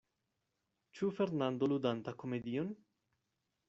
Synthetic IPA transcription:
t͡ʃufe̞ɾnand̪olud̪ant̪ako̞me̞d̪ion

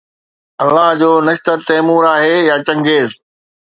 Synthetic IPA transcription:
ɐlːaɦd͡ʑoːnɐʃt̪əɾt̪ɐːmuːɾaːɦejaːt͡ɕɐ̃ŋɡeːz

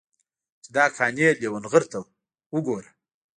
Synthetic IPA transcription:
t͡ʃd̪ɑkʰɑːnelewənɣəɾt̪əw | wəɡoɾa

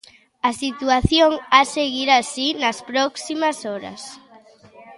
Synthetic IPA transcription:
ɐsit̪uaθjoŋaseɣiɾasinɐspɾɔksimɐsɔɾɐ̰s

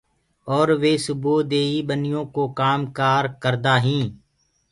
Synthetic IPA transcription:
ɔːɾʋeːsʊboːd̪eːiːbənɪjõːkokaːmkaːɾkəɾd̪aːɦĩː

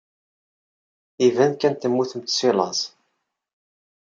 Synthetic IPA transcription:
ivænkænt̪əmːuθəmt̪silɑ̰s

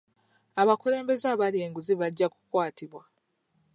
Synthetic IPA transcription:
aβakule̞ːmbe̞zaβalieːŋɡuziβaɟːaku̥kwaːtiβwa

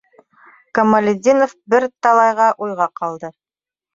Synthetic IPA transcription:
kɐmɐlʲɪd̪ʲinofbɘɾt̪ɑlˠɑjʁɑʔujʁɑqɑlˠd̪ɤ

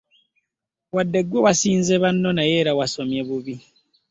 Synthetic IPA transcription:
wadːe̞ɡwoβasiːnzeβanːo̞naje̞ːɾawasomjeβuβi

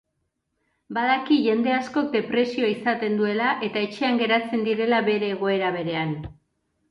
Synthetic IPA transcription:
baðakiʝe̞nd̪e̞asko̞k̚d̪e̞pɾe̞sio̞isat̪e̞nd̪ue̞laʔe̞t̪ae̞t͡ʃe̞aŋɡe̞ɾat͡se̞nd̪iɾe̞laβe̞ɾe̞ːɣ̞o̞e̞ɾaβ̞e̞ɾe̞an

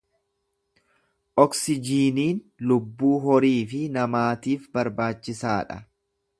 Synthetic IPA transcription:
ʔɔksɪd͡ʒiːniːnlʊbːuːɦɔɾiːfɪnɐmaːt̪iːfbɐɾbaːt͡ʃːɪsaːᶑɐ̰

